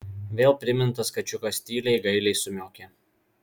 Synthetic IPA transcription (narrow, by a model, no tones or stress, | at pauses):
ʋʲeːlˠpʲɾʲɪmʲɪnt̪ɐskɐt͡ʃʲʊkosʲt̪ʲiːlʲɛɪɡɐɪlʲɛɪsʊmʲoːkʲe